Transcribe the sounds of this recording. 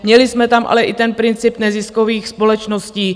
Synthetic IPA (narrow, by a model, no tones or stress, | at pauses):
mɲɛlɪsmɛt̪amʔa̰lɛʔɪt̪ɛnpɾɪnt͡sɪpnɛzɪskoviːxspo̞lɛt͡ʃnosciː